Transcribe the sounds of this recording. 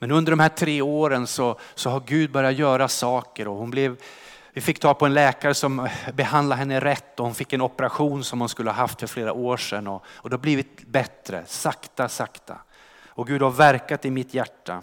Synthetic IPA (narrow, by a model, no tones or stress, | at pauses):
mɛnɵnd̪əɖɔmhæːʈʰɾeːoːɾənsɔsɔɦaɾɡʉ̟ːd̪̚bœɾɪjat̪jœːɾasɑːkəɾɔhʊnblɛv | vɪfɪkːt̪ʰɑːlpʰɔɛnlɛːkaɾəsɔmbɛhand̪laɦɛnːəɾɛt̪ːɔhʊnfɪkːɛnɔpəɾaɧuːnsɔmhʊnskɵləhaːɦaft̪fœɾfleːɾa̰ʔoːʂɛnːɔɔd̪ɛhabliːvɪt̪̚bɛt̪ɾə̰sakt̪asakt̪a̰ | ɔɡʉ̟ːd̪haɾvæɾkat̪ɪmɪt̪ʰjæʈːa̰